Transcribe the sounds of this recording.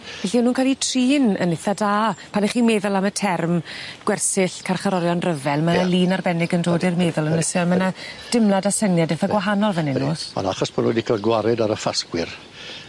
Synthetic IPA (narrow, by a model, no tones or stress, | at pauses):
vɛɬinuːnkʰalˠitʰriːnə̰nɪθadaːpʰaniχiːmeːðʊlˠamətʰɛrmɡ̥wɛrsɪɬkʰarχaɾɔɾjɔnrəvɛlˠmənalˠiːnarbɛnɪɡəndoːdɪrmeːðʊlˠənəsɛɔmənad̥ɪmlˠadasənjadɛfaɡwaɦanɔlˠvɛnɪnːuːɔ̰na̰χɔsmano̰dikʰalɡwaɾɛdaɾəfaskwɪr